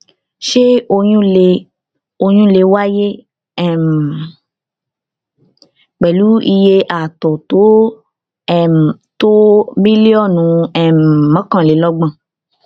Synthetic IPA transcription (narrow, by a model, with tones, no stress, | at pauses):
ʃe˦o˧jũ˦le˧ | o˧j̃ũ˦le˧wa˦je˦ | ɛ˦˨m˨ | k͡pɛ˨lu˨˦i˧je˧ʔa˨tɔ˨to˨˦ | ɛ˦˨m̩˨ | to˦bi˦li˦ɔ˦˨nũ˨˦ɛ˦m˨mã˨˦kã˦˨le˨˦lɔ˦ɡ͡bã˦˨